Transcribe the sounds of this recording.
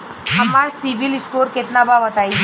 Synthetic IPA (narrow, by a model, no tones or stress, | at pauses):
amasiʋiliskoɾket̪nabʱaʋət̪aj